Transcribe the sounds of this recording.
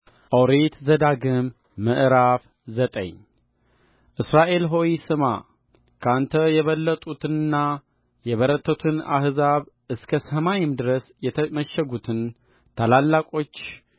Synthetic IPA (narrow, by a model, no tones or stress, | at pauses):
ʔowɾet̪zəd̪aɡɨmː | əʔɨɾaf | zət̪ʼə̰ɲ | ʔɨsɾaʔe̞lɦo̞jisɨma̰ | kʰant̪ʰəjɛβəlːət̪ʼut̪ʰɨnɨnːa | jɛβəɾət̪ʰːət̪ʰɨna̰hzaβ | ɨskʰəsəmajɪmd̪ɨɾəsjɛt̪ʰəməʃːɛɡut̪ʰɨn | t̪ʰalalːakʼo̞t͡ʃː